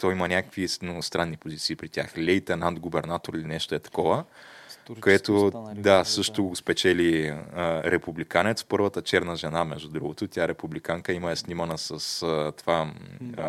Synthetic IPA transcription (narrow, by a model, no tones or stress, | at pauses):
t̪ɔimɐnʲakə̥kvisnoɡʊst̪ɾanːipozit̪siːpɾit̪ʲja̰xlʲɛjt̪ɛnand̪ɡʊbɛɾnat̪oɾilinɛʃt̪oɛt̪ɐ̥kɔvə | koɛt̪od̪asɤʃt̪oɡɡʊspɛt͡ʃɛli | ɾɛpublikanɛt̪spɤɾvət̪ət͡ʃɛɾnəʒɛnamɛʒd̪ud̪ɾuɡot̪ʊt̪ʲjaɛɾɛpublikaŋkəimɐɛsnimɐnəsɐst̪ova